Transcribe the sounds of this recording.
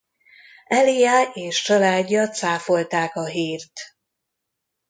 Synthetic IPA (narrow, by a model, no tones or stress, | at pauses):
ɛlijaːeːʃt͡ʃɒlaːɟːɒt̪saːfo̞lt̪aːkɒɦiːrt̪